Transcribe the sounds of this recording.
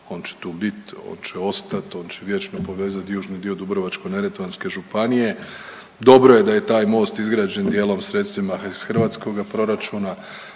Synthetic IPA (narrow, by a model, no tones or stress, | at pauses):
o̞ːnt͡ʃe̥t̪uːbit̪o̰ːnt͡ʃeo̞st̪at̪o̞ːnt͡ʃeʋje̞t͡ʃnopo̞ʋe̞ːzat̪juːʒnid̪io̞d̪ubɾoʋat͡ʃko̞ne̞ɾet̪ʋanske̞ʒupanije̞ | d̪o̞bɾo̞je̞d̪ajet̪aːjmo̞ːst̪izɡɾaːd͡ʒend̪je̞ːlˠo̞msɾet̪st̪ʋimaisxr̩ʋaːt̪sko̞ɡapɾo̞ɾat͡ʃuːna